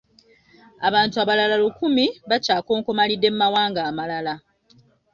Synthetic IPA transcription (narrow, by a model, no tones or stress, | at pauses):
aβaːntuaβalalalukumiβacaːko̞ːŋkomalidːe̞mumawaːŋɡaːmalala